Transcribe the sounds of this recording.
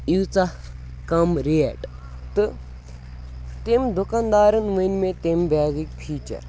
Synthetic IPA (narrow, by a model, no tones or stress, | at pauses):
it͡sa | kɐmɾeːʈ | t̪ɨ | t̪emd̪ukand̪aːɾɨnʋəinmẽt̪embaːɡik̚ʲpʰiːt͡ʃɐ̰